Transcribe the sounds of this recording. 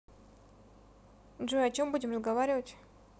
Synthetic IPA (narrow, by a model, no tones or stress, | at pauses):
ʐoɐt͡ɕombudʲɪmɾrəzɡɐvaɾʲɪvətʲ